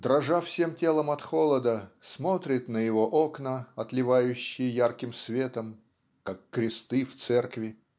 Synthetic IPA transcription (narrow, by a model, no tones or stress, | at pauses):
d̪ɾɐʐafsʲe̞mtʲe̞lˠəmɐt̪xolˠəd̪əsmo̞t̪ɾʲɪt̪nəjɪvo̞ʔoknəɐt̪lʲɪvajʉɕːɪjjarkʲɪmsvʲe̞t̪əm | kakːɾʲɪst̪ɨft̪sɛrkvʲɪ